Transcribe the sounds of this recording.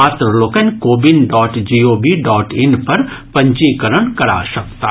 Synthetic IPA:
aːt̪ɾəloːkənkoːbɪnɖɔːʈd͡ʒiːoːbiɖɔːʈɪnpɐɾpɐ̃ɲt͡ʃikəɾəɳkɐɾa̰ʃɐkt̪a

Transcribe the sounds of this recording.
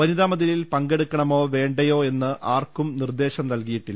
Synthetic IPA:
ʋɐniðaːmɐðililpɐŋɡe̞ɽukːɐɳɐmo̞ːʋe̞ːɳɖɐjo̞ːe̞nːɨʔaːrkːumnird̪e̞ːɕɐmnɐlkijiʈːil

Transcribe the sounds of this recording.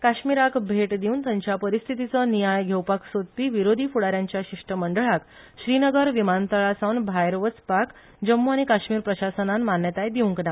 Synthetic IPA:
kaɕmiɾakbʱeʈd̪iunt̪jaɲt͡ɕjapəɾist̪ʰit̪it͡sənijajɡʱewpaksot̪t̪ːiʋiɾod̪ʱiːfuɽaɾjaɲt͡ɕjaɕiʂʈəməɳɖəɭak | ɕɾinəɡəɾʋimant̪əɭasawnbʱajɾʋət͡spak | d͡ʑəmːuaɽ̃ikaɕmiːɾpɾəɕasənanmanjət̪ajd̪iũŋkna

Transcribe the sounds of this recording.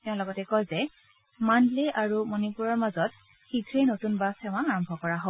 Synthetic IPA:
tɛʊ̃lɔɡɔtɛkɔlzɛ | manlɛʔaɹumonipuɹɔɹmazɔt̚ | xidʱɹenotunbasɛʊ̃ãaɹɔmbʱɔkɔɹaɦo

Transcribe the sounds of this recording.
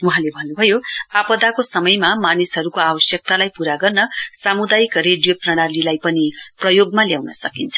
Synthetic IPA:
uɦãlebʱʌnːubʱʌjoapʌd̪akosʌmʌjmamanisɦʌɾukoabʌsjʌk̚t̪alajpuɾaɡʌrnʌsamud̪ajkreɖijoprʌɽ̃alilajpʌniprʌjoɡmaljawnʌsʌkint͡sʰʌ̥

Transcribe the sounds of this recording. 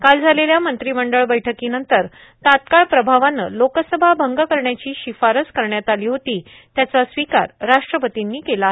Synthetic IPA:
kald͡zʱaleljamənt̪ɾiməɳɖəɭbəjʈʰəkiːnənt̪əɾ | t̪at̪̚kaɭpɾəbʱaʋanə̰lokəsəbʱabʱəŋɡəkəɾɳjat͡ɕiːɕifaɾət͡skəɾɳjat̪aliːɦot̪iː | t̪jat͡sasʋika̰ɾɾaʂʈɾəpət̪inːiːkela

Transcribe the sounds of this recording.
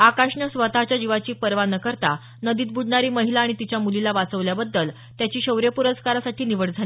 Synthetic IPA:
akaʂɳəsʋət̪at͡ɕjad͡ʑiʋat͡ɕiːpəɾʋanəkəɾt̪a | nəd̪iːt̪̚bʱuɖɳaɾiːməɦilaːɽ̃it̪it͡ɕjamulilaʋat͡səʋljabəd̪ːəl | t̪jat͡ɕiːɕəwɾjəpuɾəskaɾasaʈʰiːniʋəɽd͡zʱali

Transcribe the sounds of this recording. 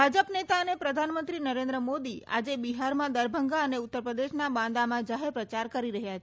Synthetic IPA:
bʱad͡ʒəpnet̪aənepɾəd̪ʱanmənt̪ɾinəɾẽnd̪ɾəmod̪ia̰d͡ʒebiɦaɾmãd̪əɾbʱəŋɡaəneʊt̪ːəɾpɾəd̪eʃnabãd̪amãd͡ʒaɦeɾpɾət͡ʃaɾkəɾiɾəɦjat͡ʃʰe

